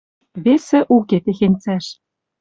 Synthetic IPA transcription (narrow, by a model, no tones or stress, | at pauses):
βesĕʔuket̪exenʲt͡sæʃ